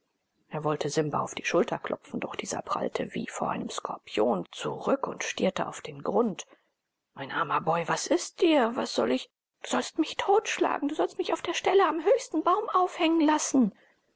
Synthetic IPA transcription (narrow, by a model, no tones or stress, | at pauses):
ʔeːɐvɔltʰəzɪmbɐ̰aʊfd̥iːʃʊltɐkʰlʔɔ̰pp͡fn̩dɔχd̥iːzɐ̰pʁ̥a̰ltʰə̰vḭːfoːɐʔa̰ɪnəmskʰɔ̰ɐpʰjoːnt͡suʁʏkʊ̰ntʃtḭːɐtəʔa̰ʊfd̥eːnɡʁʊnt | maɪnʔaːmɐbɔʏvasɪst̚d̥iːɐvasz̥ɔlɪç | d̥uːz̥ɔlstmɪçtʰoːtʃla̰ːɡŋ̩duːzɔlstmɪçaʊfd̥eːɐʃtɛləamɦøːçstn̩baʊmaʊfhɛŋənlasn̩